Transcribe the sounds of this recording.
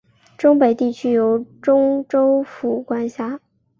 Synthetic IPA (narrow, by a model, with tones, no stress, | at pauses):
ʈ͡ʂʊ˥ŋpe˨˩ɪt̪i˥˩t͡ɕʰy˥jo˧˥ʊʈ͡ʂʊ˥ŋʈ͡ʂo˥ʊfu˨˩kwa˥nɕja˥